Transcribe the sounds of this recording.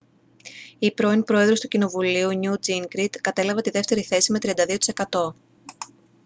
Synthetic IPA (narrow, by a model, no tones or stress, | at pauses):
ipɾo̞inpɾo̞eðɾo̞st̪ucino̞vuliuɲud͡ziŋɡɾit̪kɐt̪e̞lɐvɐt̪iðe̞ft̪e̞ɾiθe̞simet̪ɾiɐnd̪ɐðio̞t̪i̥se̞kɐt̪o̞